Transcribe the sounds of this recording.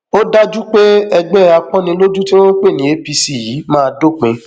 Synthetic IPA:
o˦da˦d͡ʒu˦k͡pe˦ɛ˧ɡ͡bɛ˦a˧k͡pɔ̃˦nĩ˧lo˦d͡ʒu˦ti˦w̃ɔ̃˦k͡pe˦˨nĩ˨˦e˨˦pi˧si˦˨ji˨˦mãː˦˧do˦˨k͡pĩ˧˦

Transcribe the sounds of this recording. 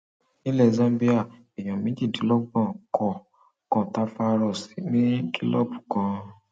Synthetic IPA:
nĩ˦lɛ˦˨zã˧mbi˦a˦˨ | e˨j̃ɔ̃˨mĩ˨˦d͡ʒi˦˨di˨˦lɔ˦ɡ͡bɔ̃˦˨kʰɔ˨ | kɔ̃˨ta˨˦fa˧ɾɔ˧˨si˨˦nĩ˦ki˦lɔ̰˦˨bu˨kã˨˧

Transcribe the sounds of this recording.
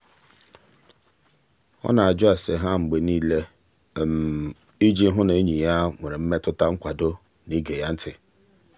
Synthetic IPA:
ɔ̰˦na˨a˨d͡ʒʊ˦a˨se˨ɦa˦ŋ͡m̩˨ɡ͡be˨niː˦le˦˨ | m˨ | i˦d͡ʒi˦ɦʊ˦ne˨e˦ɲi˨ja˦ŋʷe˨ɾɪ˨m̩˦me˦tʊ˦ta˦ŋ͡m̩˦kʷa˨do˦ | ni˦ɡe˨ja˦n̩˦tɪ˨

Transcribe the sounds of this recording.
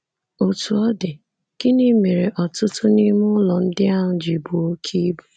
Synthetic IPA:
o˨tu˨ɔ˦dɪ˨ | kɪ˦ni˦me˨ɾe˨ʔɔ˨tʊ˦tʊ˦ni˦mʊ˦lɔ˨n̩˦dɪ˦a˦ɦʊ˦d͡ʒi˨bu˨o˦kʰi˦bu˦

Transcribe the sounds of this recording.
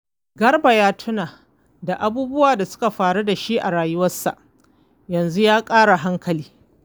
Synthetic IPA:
ɡɐ˦rba˨jaː˦tʰʊ˦naː˨ | da˨ʔa˦buː˦bʊ˦waː˨da˨sʊ̥˦ka˨ɸaː˨ɽu˦da˨ʃi˦ʔa̰˨ɽaː˨jʊ˦wɐ˦sa̰˨ʔ | jɐ˨nzu˦jaː˦kʼaː˦ɽa˨ɦa˦ŋkɐ˨liː˦

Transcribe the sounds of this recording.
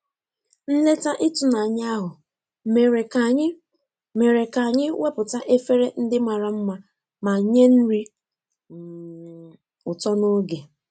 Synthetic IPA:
n̩˦le˦ta˦ʔi˦tu˨na˨a˨ɲɪ˦a˦ɦʊ˨ | me˨ɾe˨ka˨ɲɪ˦ | me˨ɾe˨ka˨ɲɪ˦we˦pʊ˨ta˦ʔe˦fe˦ɾe˦n̩˦dɪ˦ma˨ɾa˨m̩˦ma˦ | ma˨ɲe˦n̩˦ɾi˦˨ | ʊ˨tɔ˦no˦ɡe˨

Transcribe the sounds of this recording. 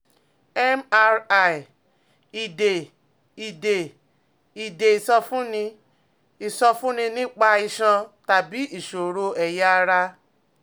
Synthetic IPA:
ɛ˦ma˧ɾa˦˨i˨ | i˨de˨ | i˨de˨ | i˨de˨i˨sɔ˧fũ˦nĩ˧ | i˨sɔ˧fũ˦nĩ˧nĩ˦k͡pa˧i˧˨ʃã˧ta˨bi˨˦i˦˨ʃo˨ɾo˧ɛ˨ja˧ɾa˧

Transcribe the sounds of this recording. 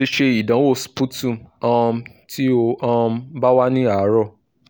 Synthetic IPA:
e˧ʃe˧i˨dã˨˦wo˦˨spu˦tũ˦˨ɔ̃˧ti˦o˧ɔ̃˧˦ba˦wa˦nĩ˦a˨˦ɾɔ˦˨

